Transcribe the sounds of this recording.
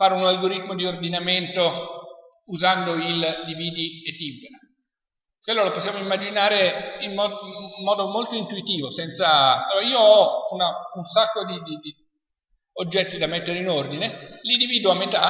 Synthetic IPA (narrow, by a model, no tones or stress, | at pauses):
faːɾeunalɡoɾit̪ːmod̪iord̪inament̪o | uzand̪oild̪iviːd̪iet̪ːimbena | kwelːoloposːjaːmoimːad͡ʒinaːɾeimmɔːɔːd̪omolt̪oint̪uit̪iːvosɛnt̪sat͡ʃɔaiːoɔunaunsakːod̪id̪id̪i | od͡ʒːɛt̪ːid̪amet̪ːeɾeinord̪inelind̪iviːd̪oamːet̪a